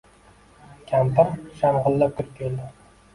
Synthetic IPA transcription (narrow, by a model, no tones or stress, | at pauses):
kʲʰampɪɾʃamʁɨlːap̚kʲɪɾkʲʰeld̪ɪ